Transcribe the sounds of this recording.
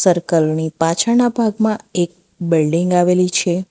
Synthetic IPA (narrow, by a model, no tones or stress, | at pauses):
səɾkəlnipat͡ʃʰanabʱaɡmãek̚ | bɪlɖiŋɡaʋelit͡ʃʰe